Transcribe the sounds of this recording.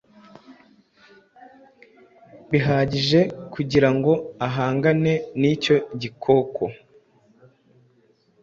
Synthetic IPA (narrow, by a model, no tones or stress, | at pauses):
βiɦaːɟiʒe̞kʰuɟiɾaŋɡo̞aɦaːŋɡane̞niːco̞ɟikʰo̞kʰo